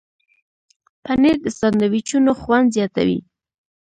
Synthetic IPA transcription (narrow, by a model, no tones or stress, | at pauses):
paneɾd̪əsaɾnawit͡ʃunoxwand̪zjɑt̪a̰wḭ